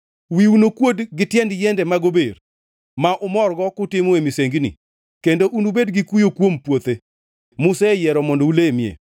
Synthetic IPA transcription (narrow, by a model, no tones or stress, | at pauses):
wiunokwodɡɪtjɛndjɛndɛmaɡober | maʔʊmɔrɡɔkʊtɪmoemiseŋɡnḭ | kendoʔunubedɡikujokwompwot̪e | mʊsejɛɾɔmɔndoulemjḛ